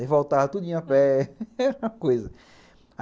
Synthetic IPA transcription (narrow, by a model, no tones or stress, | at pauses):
ɪvowt̪avɐt̪ud̪ĩɲʊ̃apɛɛɾmɐ̃kojzɐ | a